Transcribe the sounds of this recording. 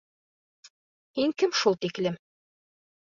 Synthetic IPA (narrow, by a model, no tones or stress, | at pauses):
hiŋkɘmʃulˠt̪iklɘm